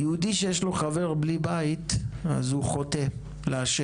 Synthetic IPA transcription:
jeud̪iʃejeʃlo̞χave̞ʁblibait̪a̰zhuχo̞te̞ | leaʃe

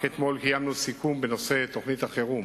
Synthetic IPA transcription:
et̪mo̞lkijamnusikumbeno̞se̞t̪o̞χnit̪aχeʁu

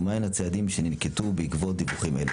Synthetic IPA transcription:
maenhat͡sead̪imʃeninketubeikvo̞t̚d̪ibuχimʔelu

